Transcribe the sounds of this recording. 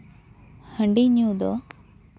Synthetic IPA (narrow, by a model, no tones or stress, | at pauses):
həɳɖiɲjud̪o